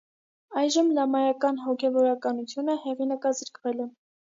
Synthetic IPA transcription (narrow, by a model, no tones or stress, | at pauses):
ɑjʒəmlɑmɑjɑkɑnɦɔkʰɛvɔɾɑkɑnut͡sʰjunəhɛʁinəkɑzəɾkʰvɛlɛ